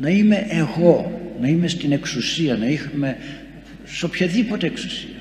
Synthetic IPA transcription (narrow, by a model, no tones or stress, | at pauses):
nɐime̞ʔeɣo̞nɐime̞st̪ineksusiɐnɐixɐme̞ | sopçɐðipo̞t̪eeksu̥siɐ